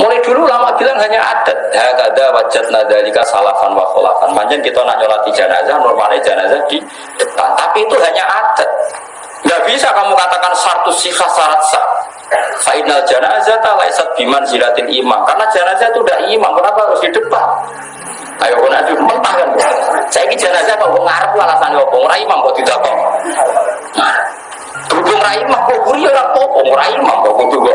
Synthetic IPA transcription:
muladululamaʔb̥ilaŋɦaɲaʔa̰d̥at̪̚hakadawad͡ʒat̪̚nad̪alikasa̰lafa̰nwa̰sɔla̰fa̰nbaɲd͡ʒankit̪ona̰ʔɲolat̪id͡ʒana̰zamɔlma̰nad͡ʒana̰zad̥i | d̥əp̪a̰nt̪apiːt̪uɦaɲaʔad̥ət̪̚ | ŋɡaʔb̥isakamukat̪akansart̪usihahsaɾat̪sa̰ | saʔinald͡ʒanazak̪ala̰ḭsat̪̚b̥imansiɾat̪ɪnima̰mkarnad͡ʒanazat̪udaʔimamkɔnapaɾʊsdidəpa | a̰jɔkɔnad͡ʒumənp̪ahkanbɔsaikid͡ʒanad͡ʒakawɔŋaɾəp̚lalasanɔpɔŋɾʔaimamkɔt̪it̪apɔ | mah | d̥̪udʊŋɾaimakɔɡuɾiɔlakɔpɔŋɾaima̰ŋkɔɡud̪uɡa

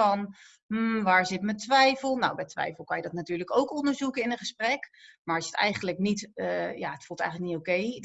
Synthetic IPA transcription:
ɑn | m̩ʋaːɹzɪtmətʋɛjfəlˠna̰wbɛtʋɛ̰jfəl̩ˠkɑnjədɑtnatyːɹləkowkɔndəɹzukəɪnəχəsprɛkmaːɹɑsətɛ̰jχənləknitəja̰ːətfulˠtɛjχənləknitowkej

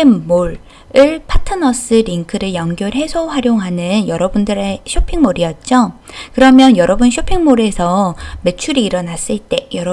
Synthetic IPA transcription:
nmoɭ | ɯɭpʰatʰɯnʌs͈ɯɾiŋkʰɯɾɯɭjʌŋɡjoɭɦe̞sʰoɸwaɾjoŋɦanɯnjʌɾʌbundɯɾe̞ɕʰopʰiŋmoɾiʌt̚t͡ɕ͈o | kɯɾʌmjʌnjʌɾʌbunɕʰopʰiŋmoɾe̞sʰʌme̞t͡ɕʰuɾiːɾʌnas͈ɯɭt͈e̞jʌɾʌ

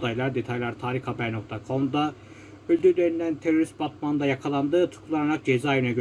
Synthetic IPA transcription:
d̪ajlˠaɾd̪e̞t̪ʰajlˠaɾt̪ʰaːɾixhabɛno̞k̚t̪ʰakʰo̞md̪a | ølʲd̪yɾlʲeɾind̪ænt̪ʰeɾo̞ɾist̪̚bat̪̚maɯnd̪ajakʰalˠand̪ɯːt̪ʰu̥kʰulˠanaɾak̚d͡ʒe̞zaːjɯnaɟø

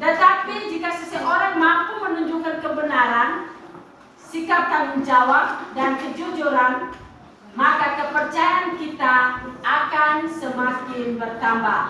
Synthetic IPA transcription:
t̪ət̪apid͡ʒikasəsəʔoɾaŋmampumənuɲd͡ʒukankəbənaɾan | sikap̚t̪aŋund͡ʒawap̚dankəd͡ʒɔd͡ʒuɾan | makakəpərt͡ʃajaankit̪aːkansəmakɪnbərt̪amba̰h

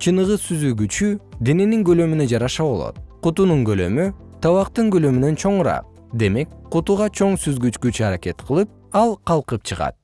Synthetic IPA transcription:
t͡ʃʰɯnɯʁɯsyzyɡyt͡ʃyd̪ene̞niŋɡø̞lø̞mynød͡ʒɑɾɑʃɑβo̞̰lˠo̰t̪̚qut̪unuɴɡø̞lø̞̰my | t̪ʰɑβɑqt̪ɯŋɡø̞lø̞mynø̞nt͡ʃʰo̞ɴɾɑ̰q̚ | d̪e̞me̞kqut̪uʁɑt͡ʃʰo̞ɴsyzɡyt͡ʃkyt͡ʃyɑɾakʲe̞t̪qʰɯlˠɯp̚ | ɑlˠqɑlˠqɯp̚t͡ʃʰɨʁɑ̰t̪̚

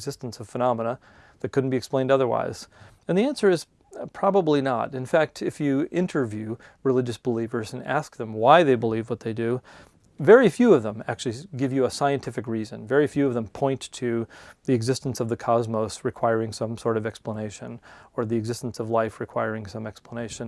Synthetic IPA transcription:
zɪstn̩sʌv̥fənɑmənə | ðɨt̚kʰʊdⁿn̩b̥iɨksplẽɪ̃ndʌðə˞wa̰ɪz̥ | ɨ̃nðiæ̃nsə˞ɨz̥ | pʰɹ̥ɑbəblinə̰ɾɨ̃nfæk̚tʰɨfjɨɪ̃ntʰə˞vjʉ | ɹɨlɪd͡ʒɨsb̥əlivə˞zɨ̃næ̰sk̚ðə̃mwaɪðeɪbəlivwʌt̪̚ðeɪdɨ | vɛɹifjʉʌvðə̃mæ̰k̚t͡ʃʉl̩ˠiɡɪvjɨəsaɪɨ̃ntʰɪfɨkɹizɨ̰̃nvɛɹifjʉʌvðə̃mpʰɔ̃ɪ̃ntʰɨðiɨɡzɪstn̩sʌvðɨkʰɑzmoʊsɹɨkʰw̥aɪə˞ɪ̃ŋsʌ̃msɔɹɾʌvɛkspləneɪʃɨ̃nə˞ðiɨɡzɪstn̩sʌvlaɪfɹɨkʰw̥aɪəɹɪ̃ŋsʌ̃mɛkspləneɪʃɨ̃n

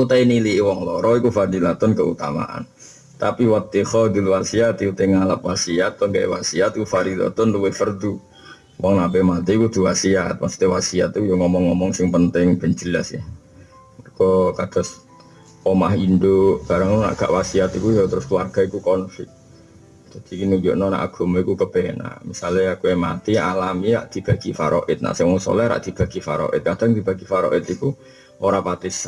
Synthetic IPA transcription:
ut̪ainiliwɔŋlɔɾɔikufad̪ilat̪ɔnkəṵt̪a̰ma̰ʔa̰n | t̪apiwat̪ːihɔd̪ilwasiat̪iut̪eŋalapwasiat̪̚ːɔŋɡaḛwa̰siat̪ikufadila̰t̪ɔnluwɪhfərd̪u | wɔŋnapɛmat̪ɛkud̪̥ṳwasiat̪̚masu̥t̪iwasia̰t̪ikujoŋɔmɔŋːɔmɔŋsɪŋpənt̪ɪŋb̥ə̤nd͡ʒilasah | mərkɔkad̥as | omaɦindoʔb̥aɾaŋuna̰ʔɡ̥a̰ʔwasiat̪ikujot̪əɾʊskluarɡ̥aikukɔnfɪk̚ | d͡ʒad̥̪ikinud͡ʒo̰ʔnɔna̰ʔaɡ̥oməikukəb̥ɛna̰misalajakujamat̪iʔalamia̰ʔd̪̥ib̥aɡifa̰ɾʔɔ̰ʔɪt̪̚na̰sɛmɔso̰lɛhɾa̰ʔd̪̥ib̥aɡifaɾɔ̰ʔɪ̰t̪̚kadaŋd̪ibaɡifaɾɔ̰ʔɪt̪iku | ʔoɾapat̪ɪs

